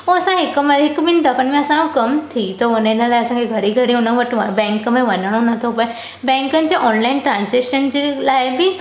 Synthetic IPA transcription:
oɐsãɦɪkmɐɦɪkmɪnd̪ɐfənmẽɐsãokɐmt̪ʰit̪oʊnəɪnəlaːɪɐsãkʰeɡʱɐɾiɡʱɐɾiʊnəʋɐʈbɛ̃ːŋkmẽʋɐnəɽ̃onɐt̪ʰopɐe | bɛ̃ːŋkənɪ̆d͡ʑeːʔɔːnlaːɪnʈɾãːnzekʃənd͡ʑelaːɪbɪ

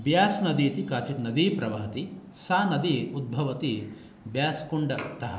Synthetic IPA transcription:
bjaːsnɐd̪iːt̪ikaːt͡ʃiʈ̪nɐd̪ipɾɐʋaːɐt̪i | saːnɐd̪iud̪̚bʱɐʋɐt̪i | bjaːskuɳɖɐt̪ɐɦɐ̰

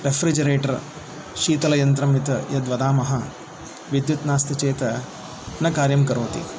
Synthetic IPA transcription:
ɾefʰɾid͡ʒɐɾeːʈɐɾ | ʃiːt̪ɐlɐjɐnt̪ɾɐmit̪ɐjɐd̪ʋɐd̪aːmɐɦɐ | ʋid̪jut̪naːst̪ʰɐt͡ʃeːt̪ɐ | nɐkaːɾjɐmkɐɾoːt̪ḭ

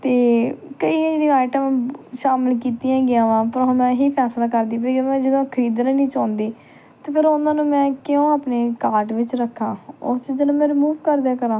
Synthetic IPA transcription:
t̪eːkəiːd͡ʒenĩaːʈəmʃaːmɪlk̬iːt̪ijãːɡɪjãːʋãːpəɾomɛ̃ːɦiːpʰɛːslaːkəɾd̪iːpɾɡə̃mɛ̃ːd͡ʒəd̪õːkʰəɾiːd̪nãːnĩːt͡ʃãːnd̪iː | t̪eːpʰɪɾʊnãːnũːmɛ̃ːkɪjõːaːpneːkaːɾʈʋɪt͡ʃɾəkʰːãːʊ̰sd͡ʒəlõːmɛ̃ːɾɪmuːʋkəɾd̪eːkəɾãː

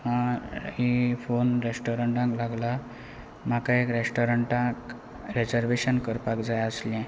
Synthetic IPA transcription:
hãifonɾesʈoɾəɳʈãŋklaɡla | makaekɾesʈoɾəɳʈãk | ɾed͡zəɾʋeɕənkəɾpakd͡zajəslɛ̃

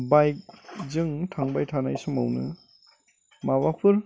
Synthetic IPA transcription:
bajk̚zɯŋtʰaŋbajtʰanajsɔma̰wnɯ̰ | mawapʰɯɾ

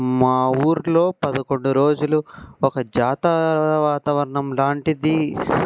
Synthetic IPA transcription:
maːuːɾlo̞ːpɐd̪ɐko̞ɳɖuɾo̞ːd͡ʒuluɔkɐd͡ʒaːt̪aʋaːt̪ɐʋɐɾɐɳɐmlaːɳʈid̪i

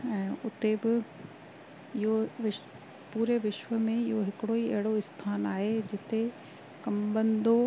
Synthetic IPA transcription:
ɛ̃ːʊt̪ebɪ | ɪɦoʋɪ | puːɾeʋɪʃʋəmẽɪɦoɦɪkɪɽoiɐɦɪɽoɪst̪ʰaːnaːɦed͡ʑɪt̪e | kɐmbɐ̃nd̪o

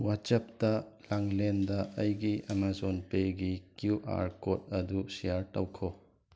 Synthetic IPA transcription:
wat͡ʃɐp̚tɐlaŋlendɐɐjɡiɐmazonpeɡikjuʔa̰ɾkot̚ɐdusijaɾtɐwkʰo

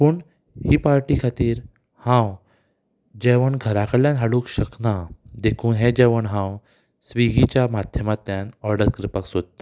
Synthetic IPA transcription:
pəɳ | hiːpaɾʈikʰat̪iːɾ | hãw | d͡ʑeʋəɳɡʱəɾakəɾljãnɦaɽuːkɕəknad̪ekʰuːnɦed͡ʑeʋəɳɦãw | sʋiɡit͡ɕjamad̪ʱjəmat̪ːjanɔɾɖəɾkɾipaksod̪̚t̪ḁ

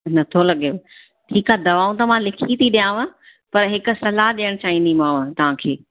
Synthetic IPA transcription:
nɐt̪ʰolɐɠe | ʈʰiːkaːd̪ɐʋaːũt̪ɐʋãlɪkʰit̪ʰiɗijãːʋã | pɐɾɦɪkʊ̆sɐlaɗijəɽ̃t͡ɕaːɦĩnd̪imãːʋt̪ɐʋ̤ãkʰeː

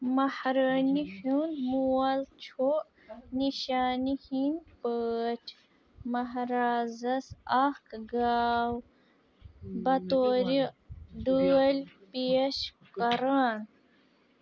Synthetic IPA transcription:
mɐhɾənihunmuwɐlt͡ʃʰo | niʃaːnihinpəːt͡ʃʰ | mɐɦɾaːzɐsakɡaːw | bɐt̪oːɾiɖəlʲpieʃ | kɐɾaːn

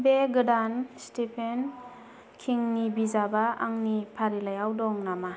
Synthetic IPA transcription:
beɡɯdanstipʰen | kʰiŋnibizabaa̰ŋnipʰaɾilajawdɔŋnama

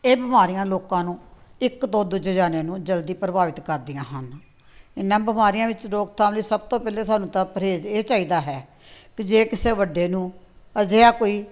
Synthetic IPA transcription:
eːbɪmaːɾijãːloːkãːnũːɪkt̪oːd̪ʊd͡ʒəd͡ʒaːneːnũːd͡ʒəld̪iːpɾəbaːʋɪt̪kəɾd̪ɪjãːɦən | ɪnːãːbɪmaːɾijãːʋɪt͡ʃɾoːɡ̚t̪ʰãːliːsəb̚t̪õːpɛːleːt̪ʰaːnũːt̪ãːpəɾeːd͡ʒeːt͡ʃaːiːd̪aːɦɛː | kɪd͡ʒeːkɪseːʋəɖeːnũː | əzeaːkoːiː

